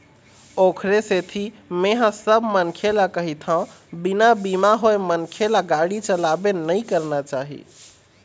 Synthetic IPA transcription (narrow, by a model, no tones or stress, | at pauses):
okʰɾeset̪ʰi | meɦə̃səbmənkʰelakəɦit̪ʰã | binabimaɦoemənkʰelaɡaɽit͡ʃəlabenəjkəɾnat͡ʃaɦḭ